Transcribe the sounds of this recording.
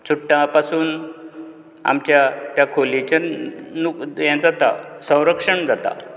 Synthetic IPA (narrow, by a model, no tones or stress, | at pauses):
t͡suʈːãpasuːn | a̰mt͡ɕjat̪jakʰolit͡ɕanujɛ̃d͡zat̪a̰sə̃w̃ɾəkʂəɳd͡zat̪a̰